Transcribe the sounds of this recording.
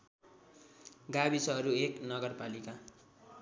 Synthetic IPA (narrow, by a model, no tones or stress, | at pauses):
ɡabisʌɦʌɾueknʌɡʌrpalika